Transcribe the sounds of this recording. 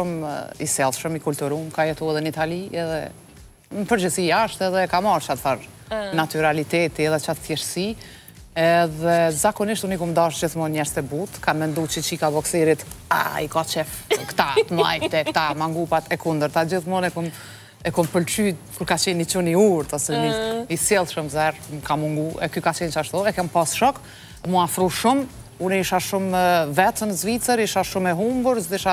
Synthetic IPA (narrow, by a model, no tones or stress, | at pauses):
umisɛlˠʃəmikult̪uɾumkajɛt̪uɛðɛnit̪aliɛðɛ̰ | nəpəɾd͡ʒəsiaʃt̪ɛðɛkamaɾt͡ʃad̪θaɾ | nat̪yɾalit̪ɛt̪iɛðɛt͡ʃat̪fjɛɾsi | ɛðɛzakɔniʃt̪unikumd̪aʃd͡ʑiθmɔnɲɛɾst̪ɛbut̪kanmɛnd̪ut͡ʃət͡ʃikabɔksɛɾit̪a̰ikat͡ʃɛft̪kt̪at̪əma̰jt̪ɛkt̪amaŋɡupat̪ɛkund̪əɾt̪ad͡ʑiθmɔnɛkum | ɛkɔmpəlt͡ʃy | kuɾkat͡ɕɛnit͡ʃuniuɾt̪ɔsɛmiisjɛlˠʃumzɛɾmkamuŋɡuʔɛkykat͡ʃɛnt͡ʃaʃt̪uɛkɛmpasʃɔk | muafɾuʃum | unɛiʃaʃumvɛt̪ənəzvit͡səɾiʃaʃumɛɦumbəɾziʃa